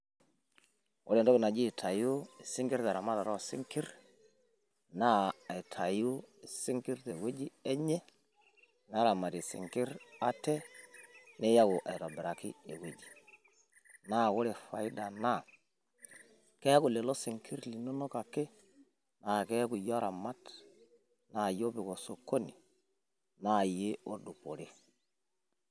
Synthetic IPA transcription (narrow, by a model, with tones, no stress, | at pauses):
ʊ˦ɾe˨ndɔ˦ɪ˨na˨d͡ʒi˦˨tʰa˨ju˦ɪ˨sɪ˦ŋkɪ˦ɾta˨ɾa˨ma˦ta˨ɾɔ˦˨sɪ̰˦ŋkɪ˦ɾ | na˦a˨i˨tʰa˨ju˦ɪ˨sɪ˦ŋkɪ˦ɾte˨we˦d͡ʒi˦ɛ˦ɲɛ˦ | n˦a˦ɾa˨ma˨ɾi˨sɪ̰˨ŋkɪ˦ɾa˦tɛ˦ | nɪ˦ja˦kʊ˨ʔa̰˨jɾɔ˨bɪ˨ɾa˨kɪ̰˦e˨we˦d͡ʒi̥˨ | na˦kʊ˦ɾe˨fa˨i˦da˨na˦˨ | kɛ˦ku˨le˨lo˦si˨ŋkʰi˦ɾli˨no˦no˦ka˨kːe˦ | na˨kɛ˦ku˨ja˦ɾʔa˨ma˦t | na˨jo˦pi˨ko˨so˨ko˦ni˨ | na˦˨je˦o˦du˨po˨ɾe˦